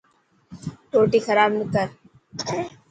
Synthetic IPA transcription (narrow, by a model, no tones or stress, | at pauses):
ʈʰoːʈiːxʰəɾaːbnəkəɾ